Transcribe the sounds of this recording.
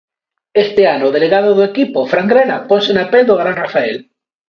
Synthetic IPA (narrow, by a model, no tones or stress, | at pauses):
est̪eanoðeleɣað̞oðoekipofɾaŋɡɾeɾaponsenapeld̪oɣɾanrafael